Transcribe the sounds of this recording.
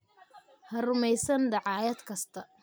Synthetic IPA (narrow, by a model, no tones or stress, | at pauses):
hɐrʊmɛjsɐnd̪ɑʕɑːjɐd̪kʰɐst̪ʰɐ